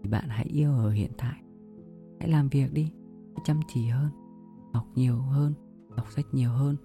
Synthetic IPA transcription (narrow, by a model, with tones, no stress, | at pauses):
i˨˩ɓa̰ː˧˨nɦa̰˧˥jʔi˧əwʔəː˧˩ɦḭ˧˨ənt̪ʰa̰ː˧˨j | ha̰˧˥jlaː˨˩mvi˨˩ək̚ɗi˧˥ | jt͡ɕə˧mt͡ɕi˧˩həː˧n | ha˨˩wk͡p̚ɲi˨˩əwhəː˧n | ɗa˨˩wk͡p̚sa˦˥jk̟̚ɲi˨˩əwɦəː˧n